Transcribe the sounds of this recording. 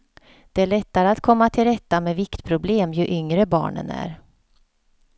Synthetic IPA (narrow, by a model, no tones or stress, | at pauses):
d̪̥ɛæɭɛt̪ːaɾəat̪kʰɔmːat̪ʰɪlɾɛt̪ːamɛvɪkt̪pʰɾʊbleːmjɵʔʏŋɾəbɑ̰ːɳə̰næ̰ɾ